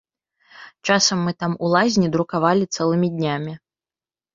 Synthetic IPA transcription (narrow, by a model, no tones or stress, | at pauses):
t͡ʂasɐmːɨt̪amulˠazʲnʲid̪ɾukavalʲit̪sɛlˠɨmʲid̪ʲnʲamʲi